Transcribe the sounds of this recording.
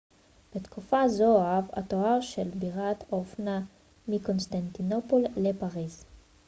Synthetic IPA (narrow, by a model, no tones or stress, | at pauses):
b̥et̪kufazoava̰toaʁʃelbiʁat̪ofna | miko̞nst̪ant̪inopolːepaʁiz